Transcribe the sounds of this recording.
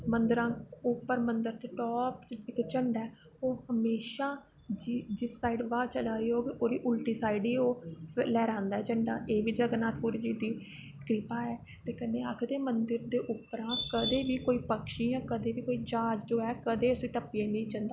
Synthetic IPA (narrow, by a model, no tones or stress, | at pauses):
mənd̪əɾãːʊpːəɾmənd̪əɾt̪eːʈɔːpt͡ʃɪkt͡ʃəɳɖɛː | oːhəmeːʃaː | d͡ʒd͡ʒɪsːaːiɖʋaːt͡ʃəlaːiːoːʋiːʔoːɾiːʔʊlʈiːsaːɪɖiːoːlɛːɾãːnd̪aːɛːt͡ʃəɳɖãːʔeːʋiːd͡ʒaɡnaːt̪puːɾiːd͡ʒiːd̪iː | kɾɪpaːɛː | t̪eːkəneːə̰kʰd̪eːmənd̪əɾd̪eːʔʊpːəɾãːkəd̪eːʋiːkoːiːpəkʃĩːjãːkəd̪eːʋiːkoːiːd͡ʒaːd͡ʒd͡ʒoːɛːkəd̪eːʊsiːʈəpːiãːnĩːt͡ʃənd̪aː